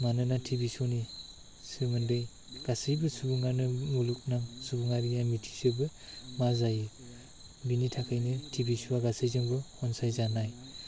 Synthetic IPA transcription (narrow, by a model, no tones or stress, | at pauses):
manɯnatʰibisɔni | sɯmɯndɯj | ɡ̥asɯjbɯsubuŋanɯmuluk̚naŋsubuŋaɾijamitʰi̥sɯbɯmazajɯ | binitʰakʰajnɯtʰibisuwaɡasɯjzɯŋbɯhɔnsajzanaj